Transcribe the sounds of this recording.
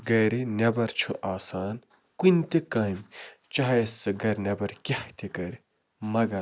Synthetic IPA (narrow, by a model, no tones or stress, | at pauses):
ɡɐɾinʲɐbɐɾt͡ʃʰuʔaːsaːn | kunʲt̪ekɐːmt͡ʃɐɦɐjesɐɡɐɾʲnʲɐbɐɾkʲɐht̪ʲikɐɾi | mɐɡɐ